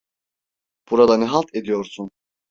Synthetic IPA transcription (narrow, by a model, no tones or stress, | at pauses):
b̥uɾad̪anɛɦalˠt̪ʰed̪ijo̞ɾsun